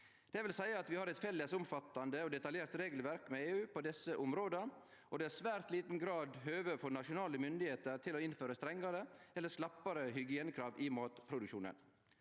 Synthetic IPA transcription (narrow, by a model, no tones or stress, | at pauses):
d̪̥ɛʋɪlsæɪəɑt̪ʋɪhɑɾɛt̪fɛlːəsʊmfɑt̪ːɑnd̪əɔd̪ɛt̪ɑljeːɾt̪ɾeːɡl̩ʋæɾkmɛeːʉːpʰɔd̪ɛsəʔʊmɾoːd̪ə | ɔd̪ɛæsʋæːɾt̪liːt̪n̩ɡɾɑːd̪ɦøːʋəfɔɾnɑʂʊnɑːləmʏnd̪ɪheːt̪əɾt̪ʰɪlɔɪnføːɾəst̪ɾɛŋːɑɾəɛlːəslɑpːɑɾəhʏɡɪɛnkʰɾɑːʋɪmɑːt̪pʰɾʊd̪ʉkʃuːnə̰n